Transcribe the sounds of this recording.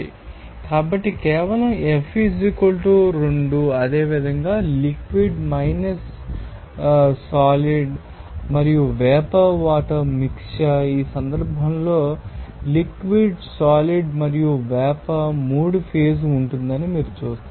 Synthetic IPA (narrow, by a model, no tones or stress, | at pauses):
ḭ | kaːbɐʈːikɛːʋɐlɐmepʰid͡ʒikɐlʈuɾoɳɖuɐd̪e̞ːʋid̪ʱɐŋɡaːlikʋiɖmɐjnɐs | aːliɖ | mɐɾijuʋɛːpɐʋaːʈɐmikʂɐiːsɐnd̪ɐɾbʱɐmlo̞ːlikʋiɖsaːliɖmɐɾijuʋɛːpɐmuːɖpʰeːs̬uɳʈund̪ɐnimiːɾut͡ʃuːst̪ː